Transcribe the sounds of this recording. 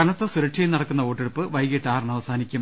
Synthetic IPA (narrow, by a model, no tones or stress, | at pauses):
ɐnɐt̪ːɨsuɾɐkʂʰɐjinɐɽɐkːunːɐoːʈːeɽupːɨʋɐjɡeʈːaːrɨɳɐʋɐsaːnikʲːum